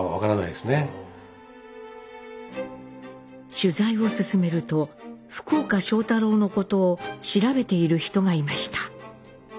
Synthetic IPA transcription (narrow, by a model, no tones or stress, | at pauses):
βa̰kaɾana̰id̪esɨne̞ | ɕɨzaiβo̞sɨsɨme̞ɾɯ̟t̪o̞ɸɯ̥koːkaɕo̞ːt̪aɾo̞ːno̞ko̞t̪o̞ːɕiɾabe̞t̪e̞iɾɯ̟çi̥t̪o̞ɡaimaɕi̥t̪ḁ